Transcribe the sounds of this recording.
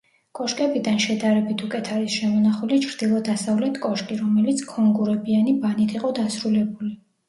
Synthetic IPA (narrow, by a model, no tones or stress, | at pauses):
kʼɔʃkʼɛbid̪anʃɛd̪aɾɛbit̪ʰukʼɛt̪ʰaɾisʃɛmɔnaχulit͡ʃʰɾd̪̥ilˠɔd̪asavlɛt̪ʰkʼɔʃkʼiɾɔmɛlit̪sʰkʰɔŋɡuɾɛbianibanit̪ʰiqʼɔd̪asɾulɛbuli